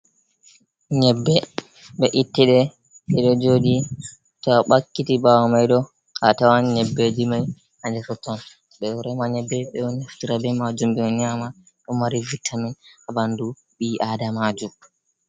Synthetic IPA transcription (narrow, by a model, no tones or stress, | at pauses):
ɲɛbːɛ | ɓɛʔitːiɗɛ | sɛɗɔd͡ʒoːdi | tɔɓakːitiɓawamajɗɔ | katawaɲɛbːed͡ʒimaj | handɛsɔtɔn | ɓɛɔɾɛmaɲɛbːɛɓɛwɔnaftiɾabɛmad͡ʒumbɛɔɲaːma | ɗɔmaɾivitʰːaminabandu | ɓiʔadamad͡ʒum